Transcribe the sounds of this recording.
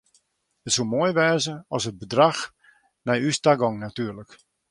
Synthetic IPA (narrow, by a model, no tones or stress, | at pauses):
hətsulˠmoəjʋɛːzəɔsəd̚bədrax | nɛjystaɡɔŋnatyːlək